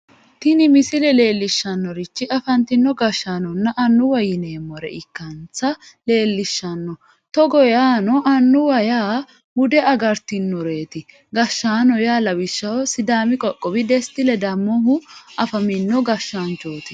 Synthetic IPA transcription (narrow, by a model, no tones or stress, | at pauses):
t̪ɪnɪmɪsɪlɛle̞ːlːɪʃːɐnːɔɾɪt͡ʃːɪʔɐfɐnt̪ɪnːɔɡɐʃːaːnɔnːɐʔɐnːʊwɐjɪneːmːɔɾɛ̰ʔɪkːɐnt͡sɐle̞ːlːɪʃːɐnːɔ | t̪ɔɡɔjaːnɔʔɐnːʊwɐjaː | mʊd̪ɛɐɡɐɾt̪ɪnːɔɾe̞ːt̪ɪ | ɡɐʃːaːnɔjaːlɐwɪʃːɐwɔsɪd̪aːmɪkʼɔkʼːɔbɪd̪ɛst̪ɪlɛd̪ɐmːɔɦʊɐfɐmɪnːɔɡɐʃːaːnt͡ʃoːt̪ɪ̥